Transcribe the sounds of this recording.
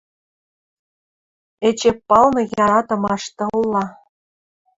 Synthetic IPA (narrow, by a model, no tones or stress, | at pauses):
et͡ɕepːɑlnɤ̆jɑɾɑt̪ɤ̆mɑʃt̪ɤlːɑ